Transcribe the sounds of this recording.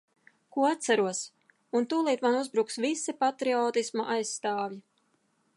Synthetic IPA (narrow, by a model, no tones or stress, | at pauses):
kuɔat̪̚sæɾuɔs | unt̪uːlˠiːt̪manuzbɾuksvisipat̪ɾiɔːt̪ismaʔajsːt̪aːvji